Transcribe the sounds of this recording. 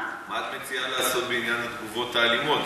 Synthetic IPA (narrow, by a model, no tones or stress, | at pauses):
mat̪met͡sialasot̪̚benianat̪kuvot̪aːlimot̪